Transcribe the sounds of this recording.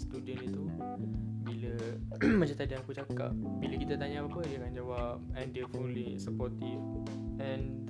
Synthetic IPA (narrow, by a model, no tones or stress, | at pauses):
st̪udənit̪u | biləmat͡ʃat̪adãakut͡ʃaka̰p̚biləkit̪at̪aɲapapədiakand͡ʒawap̚ɛ̃ndifulisəpɔt̪if | ɛ̃n